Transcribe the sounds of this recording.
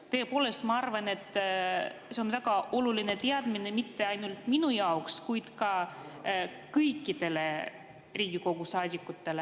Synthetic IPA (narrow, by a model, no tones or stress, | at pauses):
t̪ɤ̞ːpo̞ːle̞st̪mɑɑrvɑne̞t̪ːˑ | se̞onvæɡ̥ɑʔo̞luline̞t̪eɑd̪̥mine̞mit̪ːe̞ɑjnult̪minujɑokskujd̪̥kɑ | kɤjkːˑid̪e̞le̞ | riːɡ̥iko̞ɡ̥usɑːd̪ʲikːˑut̪ːe̞le̞